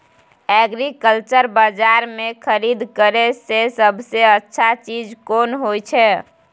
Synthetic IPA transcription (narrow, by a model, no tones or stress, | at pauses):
ɛɡɾikəlt͡ʃəɾbəd͡ʒaɾmekʰəɾid̪kəɾesesəbʱseətːʃʰat͡ʃid͡ʒkonɦojt͡ʃʰɛ